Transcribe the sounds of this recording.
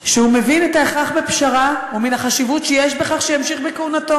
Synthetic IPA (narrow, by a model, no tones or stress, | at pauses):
ʃeume̞vinetaeχaχbepʃaʁauminaχaʃivutʃejeʃbeχaχʃejamʃiχbekeunato